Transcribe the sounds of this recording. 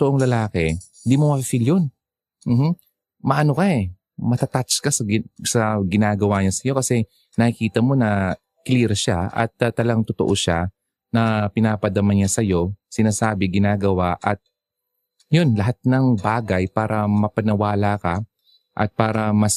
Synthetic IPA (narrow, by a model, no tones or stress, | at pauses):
t̪oʔoŋlɐlaːkɛ | ɪnd̪iːmomɐfifiljon | m̩ːm̩ | mɐʔɐno̞kɐɛ | mɐt̪at̪at͡ʃkɐsɐɡɪsɐɡɪnaːɡɐwaɲasɐjo̞kɐsɛ | nɐkɪkiːt̪ɐmo̞nɐ | kliːɾʃaʔɐ̰t̪ːt̪ːɐlɐɡaŋt̪ot̪oʔoʃa̰ | nɐpɪnaːpɐd̪ɐmɐnɲasɐjo̞sɪnaːsaːbɪɡɪnaːɡɐwaʔɐt̪̚ | jo̞nlɐɦat̪̚nɐŋbaːɡɐjpaːɾɐmɐpɐnɐwaːlakɐ | ʔɐ̰t̪̚paːɾɐmɐs